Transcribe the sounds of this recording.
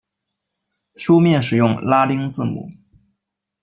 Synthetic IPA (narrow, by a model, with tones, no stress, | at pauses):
ʂu˥mjɛ˥˩nʂ̬ɻ̩˨˩jʊ˥˩ŋla˥li˥ŋt͡sɹ̩˥˩mṵ˨˩˦